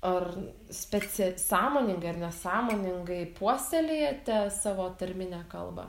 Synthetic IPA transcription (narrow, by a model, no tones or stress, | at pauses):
ɐr | sʲpʲɛt͡s̪ʲɛsɑːmoːnʲɪŋɡɐɪɐrnʲɛsɑːmoːnʲɪŋɡɐɪpuɔsʲɛlʲejɛt̪ʲɛsɑːʋoːt̪ɐɾʲmʲɪnʲæːkɐ̰lˠbɐ̰